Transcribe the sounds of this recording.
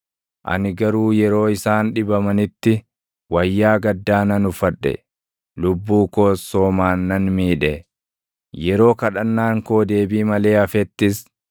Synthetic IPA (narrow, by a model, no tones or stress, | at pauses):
ʔɐ̰nɪɡɐɾuːjɛɾo̞ːɪsaːnᶑɪbɐmɐnɪt̪ːɪ | wɐjːaːɡɐd̪ːaːnɐnʊfɐᶑːɛ̰ | lʊbːuːko̞ːsːo̞ːmaːnːɐnmiːᶑɛ | jɛɾo̞ːkɐᶑɐnːaːŋkoːd̪e̞ːbiːmɐle̞ːɐfɛt̪ːɪs